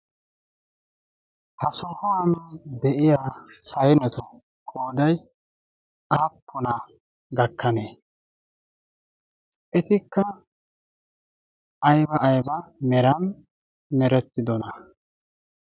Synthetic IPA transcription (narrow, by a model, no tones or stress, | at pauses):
hɐsɔhɔwɐnd̪ɛʔɪjaːsɐjɛnɛt̪ɔ | kʼoːd̪ɐj | aːpːɔnɐ | ɡɐkːɐneː | ʔɛt̪ɪkːɐ | jbɐʔːjbɐmɛɾɐn | mɛɾɛt̪ːɪd̪ɔnɐ